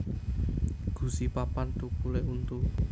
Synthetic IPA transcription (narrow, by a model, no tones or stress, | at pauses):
ɡ̥ṳsipapant̪ukuleunt̪u